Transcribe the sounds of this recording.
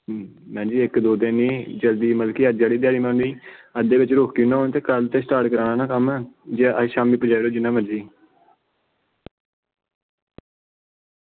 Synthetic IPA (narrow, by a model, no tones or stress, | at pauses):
mɛ̃ːd͡ʒiːɪkd̪oːd̪enĩːd͡ʒəld̪iːməlkiːəd͡ʒaːɽiːd̪jaːɽiːmãːnuiːəd̪eːʋɪt͡ʃɾoːkkinãːɦoːnẽt̪eːkəlt̪eːsʈaːɾʈkəɾaːnãːnãːkəmɛːd͡ʒeʔəʃaːmiːpəd͡ʒaːiːɾoːd͡ʒɪnːãːməd͡ʒiː